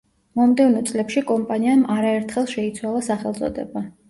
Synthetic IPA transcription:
mɔmd̪ɛvnɔt̪sʼlɛpʃikʼɔmpʼaniamaɾaɛɾt̪ʰχɛlˠʃɛit̪sʰwalˠasaχɛlˠt̪sʼɔ̰d̪ɛ̰ba

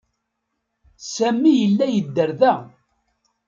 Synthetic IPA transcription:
sæmːijəlːæjəd̪ːəɾðæ

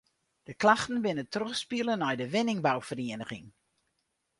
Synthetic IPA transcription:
d̥əklaxtən̩bɪnətrøxspiəlˠənɔjdəʋɪnɪŋbawfəriənəɣɪ̰ŋ

